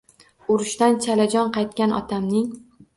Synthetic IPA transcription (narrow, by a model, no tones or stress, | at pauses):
ʊɾɪʃt̪ant͡ʃʰalad͡ʒɒnqɑjt̪̚kʲanʔɒ̰t̪ʰamnɪŋ